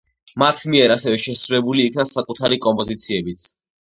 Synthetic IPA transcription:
mat̪ʰmiɛɾasɛvɛʃɛsɾuɾɛbuliːkʰnasakʼut̪ʰaɾikʼɔmpʼɔzit̪sʰiɛbit̪sʰ

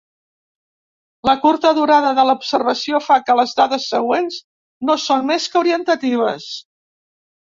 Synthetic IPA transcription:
ləkuɾt̪əðuɾaðəðələupsərβəsiofakələzðaðəsːəɣ̞wenz | nosonmeskəuɾiənt̪ət̪iβ̞əs

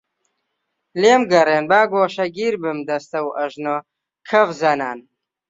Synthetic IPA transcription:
leːmɡɐreːnbaːɡoːʃɐɡiːɾbɨmd̪ɐst̪ɐwʔɐʒno | kʰɐvzɐnaːn

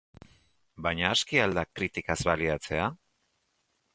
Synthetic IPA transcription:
bajɲaːskiald̪akɾit̪ikazβaliat͡se̞a

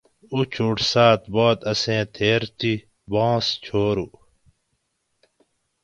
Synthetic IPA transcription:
ut͡ɕʰuːʈsaːt̪boːd̪ɐsẽːt̪ʰeːɾt̪i | bãːst͡ɕʰoːɾu

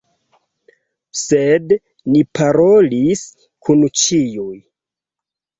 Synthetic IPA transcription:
sed | nipʰaɾo̞lis | kʰunt͡ʃijuj

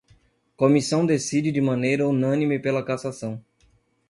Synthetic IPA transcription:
komisɐ̃w̃d̪esid͡ʒɪd͡ʒɪmɐ̃nejɾɐũnɐ̃nimɪpelɐkasasɐ̃w̃

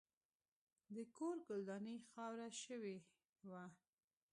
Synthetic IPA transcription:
d̪əkoɾɡʊld̪ɑnəxɑwɾaʃəwe | wa

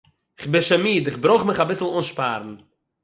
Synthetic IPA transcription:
ɪχbɪnʃamiːdɪχbɾoʊχmɪχabɪsl̩ˠuːnʃpa̰ːɾn̩

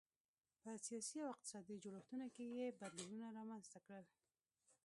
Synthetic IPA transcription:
pəsijɑsiawɪq̚t̪ɪ̥sɑd̪id͡ʒoɽəft̪unokejebad̪liwunaɾɑmanzt̪akɽəl

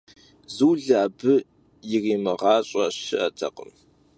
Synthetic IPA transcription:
zuːɮaːbɨ | jɪriːmɨʁɑːɕʼɐɕɪʔɐtʰɐ̰qəm

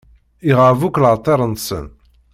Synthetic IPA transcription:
iʁəvuklʕt̪ˤːeɾˤənt̪sə̰n

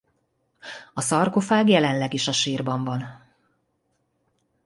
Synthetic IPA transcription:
ɒsɒrkofaːɡjɛlɛnlɛɡiʃɒʃiːrbɒɱvɒn

